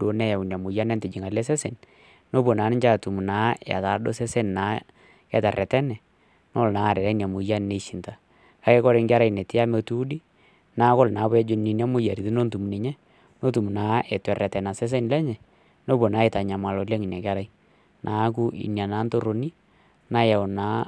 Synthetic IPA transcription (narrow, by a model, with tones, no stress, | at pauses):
o˨˦nɛ˦ja˨wu˨na˨mʊ˨ja˦nɛ˦ntɪ˨d͡ʒi˨ŋa˨lɛ˦sɛ˦se˨n | no˦bo˨naː˨˦nɪ˦ɲt͡ʃa˦tu˨mu˨naː˦a̰˨ta˨do˦sɛ˦se˦nna˨˦ | kɛ˨ta˨rɛ˨tɛ˦nɛ˨ | no˦lnaː˦˨ɾɛ˨ɾɛ˦nja˨mʊ˨ja˦nne˨ʃi˨nta˨ | ka˦kɛ˦kɔ˦ɾe˨ŋɡa˦ɾa˦˨i˨ne˨tɪ˦ja˦me˨tu˦di˦ | naː˦ko˦lna˨˦pɛ˦d͡ʒo˦nnːi˨nja˦mʊ˦ja˨ɾi˨ti˦no˦ntu˨mu˨nɛ˨ɲɛ˦ | no˦tu˨mu˨naː˨˦ɛ˨twɛ˨rɛ˨tɛ˨na˨sɛ˦s̬e˦nlɛ˦ɲɛ˨ | no˦bo˨naː˦e˨ta˨ɲa˨ma˨lɔ˨le˦ŋi˨nɛ˨ka˦ɾa˦i˦ | nʔaː˨˦k̬u˦ḭ˨nja˨naː˦nto˦ɾo˨ni˦ | na˦ja˨wnaː˦